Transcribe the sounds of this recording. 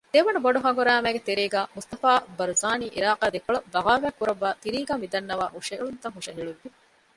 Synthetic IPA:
d̪̥eːʋɐɳuboɖuɦɐŋɡuɾæːmæːɡet̪eɾeːɡæːmust̪ɐfaːbɐɾuzaːniːʔḭɾaːqaːd̪ekːɐɭɐbɐʁaːʋæːkːuɾɐʋːaːt̪iɾiːɡaːmid̪ɐnːɐʋaːɦuʂɐuɭunt̪ɐŋɦuʂɐɦiɭuʋːi

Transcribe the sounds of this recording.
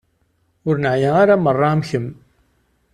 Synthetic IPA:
ʊɾnaʕjæ̃aɾamɑrˤːɑmçəm

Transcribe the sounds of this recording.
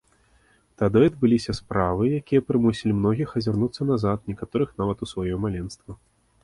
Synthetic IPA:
t̪ad̪ɨɐd̪̚bɨlʲisʲɐspɾavɨjakʲijɐpɾɨmusʲilʲimnɔɣʲixɐzʲarnut̪sːɐnazat̪̚nʲɛkat̪ɔɾɨxnavɐt̪usvajɔmalʲɛnst̪vɐ

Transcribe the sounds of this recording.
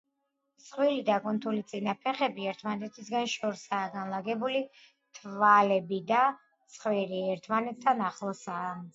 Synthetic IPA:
t̪sʰʼχwilid̪akʼɔnt̪ʰulit̪sʼinapʰɛχɛbiɛɾt̪ʰmanɛt̪ʰisɡanʃɔɾsaːɡanlˠaɡɛbuli | t̪ʰvalɛbid̪a | t̪sʰʼχviɾiɛɾt̪ʰmanɛt̪ʰːanaχlˠɔsaː

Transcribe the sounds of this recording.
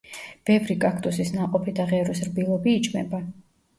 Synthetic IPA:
b̥ɛvɾikʼakʰt̪ʼusisnaqʼɔpʰid̪aʁɛɾusɾbilˠɔbiːt͡ʃʰʼmɛba

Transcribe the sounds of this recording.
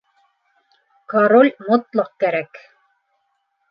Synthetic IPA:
kaɾolʲmŏt̪lˠɑq̚kæɾæk

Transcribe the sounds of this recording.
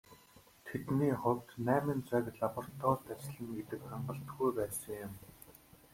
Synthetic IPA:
t̪ʰet̪niːχʊwt̪næːmɘ̆nt͡sækɮapɔr̥t̪ʰɔːɮt̪at͡ɕɮɘ̆ŋɡet̪ɘ̆kχaɴɢə̆ɬt̪ɡujpæːsə̆ŋjʊm

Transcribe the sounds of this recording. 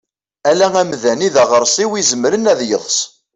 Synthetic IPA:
ælæŋæmðæniðæʁəɾˤsˤiwizəmɾənæðjə̰ðˤs

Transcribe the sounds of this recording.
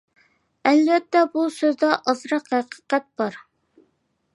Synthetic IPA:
ælvɛt̪ːɛbusøzd̪ɑʔɑzɾɑqhæqə̥qɛt̪̚b̥ɑɾ

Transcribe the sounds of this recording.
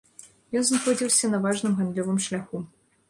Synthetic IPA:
jɔnznaxɔd͡zʲiwsʲɐnɐvaʐnɨmɣand̪lʲɔvɨmʂlʲaxu

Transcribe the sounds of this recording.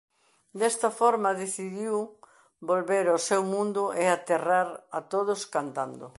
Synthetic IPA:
d̪ɛst̪ɐfɔɾmɐðeθiðiw | bolβeɾosewmũnd̪ʊʔeat̪eraɾat̪oðʊskant̪and̪ʊ̰

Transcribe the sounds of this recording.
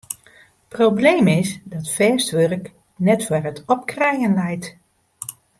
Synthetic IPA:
probleːmɪsdɔtfɛːstʋørk | nɛtfɛrətʰɔp̚krɛjənlɛjt

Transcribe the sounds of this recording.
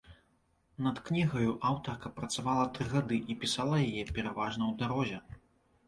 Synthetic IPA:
nɐt̪knʲiɣɐjuʔawt̪ɐrkɐpɾɐt̪savalˠɐt̪ɾɨɣad̪ɨʔipʲisalˠɐjajɛpʲɛɾavaʐnɐwd̪aɾɔzʲɛ

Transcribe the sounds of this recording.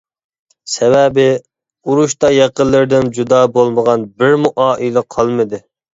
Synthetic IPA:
sɛvɛbɪ | uɾuʃt̪ɑjɛqəlˠːɪɾɪd̪ɪnd͡ʒud̪ɑːbolˠməʁɑnbɪɾmuʔɑːʔilɛqʰɑlˠmɨd̪ɨ

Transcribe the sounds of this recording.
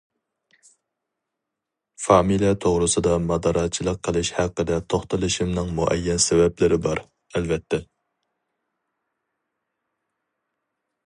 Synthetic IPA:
fɑːmilijɛt̪ʰoʁɾɨsɨd̪ɑmɑd̪ɑɾɑt͡ʃʰilˠəqʰːəlˠɨʃhæqːəd̪ɛt̪ʰoχt̪ɨlˠɨʃimnɨŋmuʔɛ̰jːɛnsɛvɛplɪɾɪbɑɾ | ɛlvɛt̪ʰːɛ

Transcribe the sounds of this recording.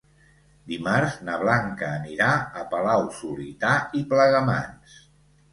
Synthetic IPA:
d̪imaɾznəβ̞laŋkəːniɾaəpəlawsulit̪aipləɣəma̰ns

